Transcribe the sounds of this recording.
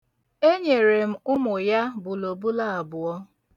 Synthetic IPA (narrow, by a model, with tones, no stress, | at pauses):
e˦ɲe˨ɾe˨m̩˦ʊ˦mʊ˨ja˦bʊ˨lo˨bu˦la˦˨a˨bʊ˨ɔ˦